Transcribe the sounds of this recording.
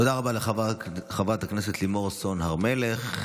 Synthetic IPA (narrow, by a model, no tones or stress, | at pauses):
t̪od̪aʁabaleχχavat̪akneset̪limo̞ʁso̞nhaʁmeleχ